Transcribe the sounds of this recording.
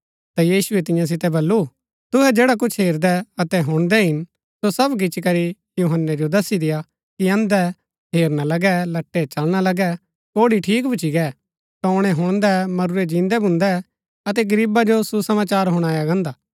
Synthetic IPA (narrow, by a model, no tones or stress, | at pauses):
t̪ajiːsʊɛt̪ɪ̃jãs̬ɪt̪ɛbɐlːu | t̪ʊɦɛd͡ʒeːɽak̬ʊt͡ʃʰɦeːɾd̪ɛɐt̪ɛɦʊɽ̃d̪ɛɦɪn | sosɐbɡ̬ɪt͡ʃk̬ɐɾi | juɦənːɛd͡ʒod̪ɐsid̪ɪja | kiɐ̃nd̪ɛ | ɦeːɾnalɐɡɛlɐʈːɛt͡ʃɐlɽ̃alɐɡɛ | koːɽiʈʰiːkbɪt͡ʃʰiɡɛː | tɐːɽ̃ɛɦʊɽ̃d̪ɛmɐɾʊɾɛd͡ʒĩːnd̪ɛbʱʊ̃nd̪ɛ | ɐt̪̬ɛɡɐɾiːbad͡ʒosusɐmaːt͡ʃaːɾɦʊɽ̃aːjaɡɐ̃ːnd̪aː